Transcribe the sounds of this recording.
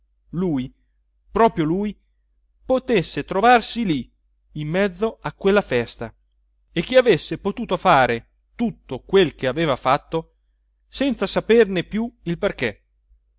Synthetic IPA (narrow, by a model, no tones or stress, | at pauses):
luːj | pɾɔːpɾjoluːj | pot̪esːet̪ɾovarsiliː | mːɛd̪zːoakːwelːafɛst̪a | ek̟ːiavesːepot̪uːt̪ofaːɾe | t̪ut̪ːokwelk̟eaveːvafat̪ːo | sɛnt̪sasapernepjuilperke